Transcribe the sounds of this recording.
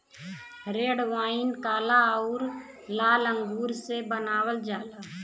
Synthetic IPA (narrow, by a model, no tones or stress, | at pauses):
ɾeːɽʋaːɪnkaːlaʊɾ | laːlə̃ŋɡuːɾsebənaːwəld͡ʒaːlaː